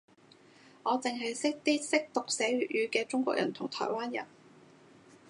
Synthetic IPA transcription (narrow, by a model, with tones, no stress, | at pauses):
ŋɔː˨˧t͡sɪ˨ŋɦɐ˨jsɪ˥k̚t̪iː˥sɪ˥k̚t̪ʊ˨k̚sɛː˨˥ɥy˨ʔ̚jyː˨˧kɛː˧t͡sʊ˥ŋkʷɔ̰ː˧k̚jɐ̰˨˩nt̪ʰʊ˨˩ŋt̪ʰɔ̰ː˨˩jwaː˥njɐ̰˨˩n